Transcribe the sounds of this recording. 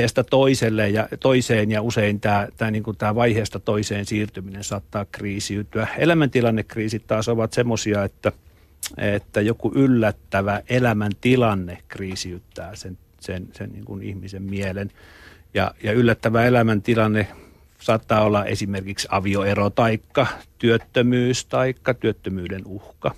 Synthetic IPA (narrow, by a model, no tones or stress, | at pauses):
eːst̪ɑt̪oiselːejjɑt̪oiseːnjɑuseint̪æːt̪æːniːŋkunt̪æːʋɑiheːst̪ɑt̪oiseːnsiːrt̪yminensɑt̪ːɑːkriːsiyt̪ːyæḛlæmænt̪ilɑnːekːriːsit̪t̪ɑːsoʋɑt̪semːosiɑet̪ːæ | et̪ːæjokuʔylːæt̪ːæʋæʔelæmænt̪ilɑnːekriːsiyt̪ːæːsen | sensḛnnḭːŋkunḭhmisemmielenjɑ̰jɑylːæt̪ːæʋæelæmænt̪ilɑnːe | sɑːt̪ːɑːolːɑʔḛsimerkiksɑ̰ʋioerot̪ɑikːɑt̪yøt̪ːømyːst̪ɑikːɑt̪yøt̪ːømyːdenuhkɑ